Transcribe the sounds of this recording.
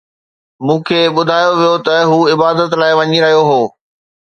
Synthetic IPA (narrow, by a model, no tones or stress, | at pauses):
mũːkʰeːɓʊd̪ʱaːjoʋijot̪ɐɦuːɪbaːd̪ət̪laːɪʋɐɲiɾɐɦijoɦoː